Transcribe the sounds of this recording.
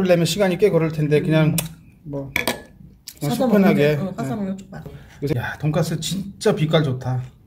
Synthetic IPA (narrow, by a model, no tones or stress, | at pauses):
ɯɭːemjʌnɕʰiɡaɲik͈ekʌɾɯɭtʰende̞kɯɲaŋ | mwʌ | spʰɯnɦaɡe̞ | kɯsʰejatoŋk͈ʰas͈ʰɯt͡ɕint͡ɕ͈apik͈aɭd͡ʑotʰa